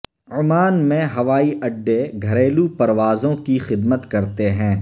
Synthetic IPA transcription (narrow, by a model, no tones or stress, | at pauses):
ʊmaːnmẽɦɐʋaːiʔɐɖːeɡʱɐɾeːlupɐɾʋaːzõkixɪd̪mət̪kɐɾt̪eɦɛ̃ː